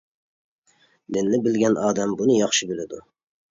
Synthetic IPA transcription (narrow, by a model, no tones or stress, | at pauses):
d̪ɪnːɪbɪlɡʲɛnʔɑːd̪ɛmbunɨjɑχʃɪbɪlɪd̪u